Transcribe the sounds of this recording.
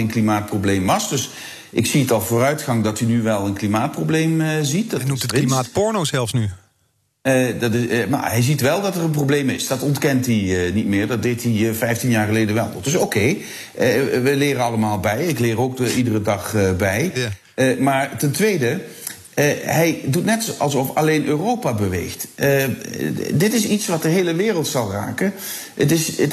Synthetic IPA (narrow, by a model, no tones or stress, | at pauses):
enklimaːt̚prowblejmʋɑsd̥ɵs | ʔɪksiətɑlˠvʊːrœɥtχɑŋdɑtinyʋɛlˠənklimaːt̚prowblejməzit̚dnuttliaːtpɔɹnozɛlˠfsny | dɑtɪma̰ɛjzitʋɛlˠdɑtərənprowblejmɪsd̥ɑtɔntkɛntiənitmɪːɹdɑd̚dejtivɛjftinjaːɹχəlejdənʋɛlˠd̥ɵsowkej | əʋəlɪːɾəɑlˠəmaːlˠbɛjɪklɪːɾowkidərədɑχəbɛj | əmaːɹtɛntʋejdə | ɦɛjdutnɛtɑ̰lˠsɔfɑlejnʔøːrowpabəʋḛjxtə | dɪtɪsitsʋɑt̚dəɦejləʋɪːrəlˠtsɑlˠra̰ːkə | ətɪs